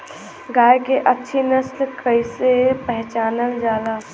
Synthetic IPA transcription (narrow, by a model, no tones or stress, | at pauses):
ɡaːjkeʔətːʃʰenəslkəisepɛɦt͡ʃaːnəld͡ʒaːd̪aː